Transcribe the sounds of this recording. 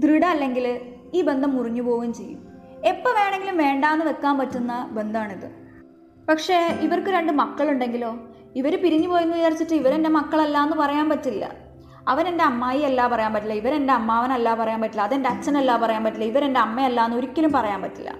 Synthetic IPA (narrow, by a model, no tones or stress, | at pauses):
d̪riɽɐːlːe̞ŋɡil | iːbe̞nd̪ʱɐmuriɲːupo̞ːɣumt͡ɕe̞jːṵm | epːoʋe̞ːɳe̞ŋɡilumʋe̞ːɳɖaːnːɨʋek̪ːaːmpɐtːunːɐbe̞nd̪aːɳiðɨ̰ | pɐkʂe̞ːiʋɐrkɨɾe̞ɳɖɨmɐkːɐɭuɳɖe̞ŋɡilo̞ː | iʋɐɾupiɾiɲːupo̞ːjunːuʋjaːrit͡ɕːiʈːɨiʋɐɾe̞nde̞mɐkːɐɭelːaːenːɨpɐrɐjaːnpɐtːilːɐ̰ | ɐʋɐne̞nde̞ɐmːaːjielːaːpɐrɐjaːnpɐʈːilːɐiʋɐɾe̞nde̞ɐmːaːɐʋɐnɐlːaːpɐrɐjaːnpɐʈːilːɐðe̞ndeɐt͡ɕːɐnelːaːpɐrɐjaːnpɐtːilːɐiʋɐɾe̞nde̞ɐmːɐɐlːaːenːo̞ɾukʲːɐlumpɐrɐjaːmpɐtːilːɐ̰